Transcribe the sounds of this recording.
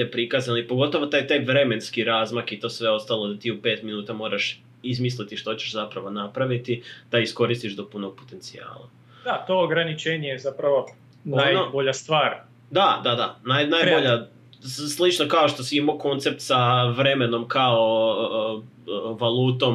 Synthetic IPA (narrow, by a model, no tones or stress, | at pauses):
epɾikazanoipoɡo̞t̪o̞ʋo̞t̪aːjt̪ajʋɾe̞me̞nskiɾazmakit̪o̞ːsʋe̞o̞st̪alˠo̞d̪at̪iupe̞ːt̪minuːt̪amo̞ːɾaʃ | izmislit̪iʃt̪o̞t͡ɕeʃzapɾaʋo̞napɾaʋit̪id̪̥aisko̞ɾist̪iʒd̪o̞puno̞ɡ̥̚po̞̥t̪e̞nt̪sia̰ːlˠa̰ | d̪at̪ooɡɾanit͡ʃeɲezapɾaʋo | najnoboʎast̪ʋaːɾ | d̪ad̪ad̪anajnajboʎa | slˠit͡ʃnokao̞ʃt̪o̞siimoko̞nt̪se̞p̚t̪saʋɾe̞me̞no̞mkao | ʋalˠuːt̪o̞m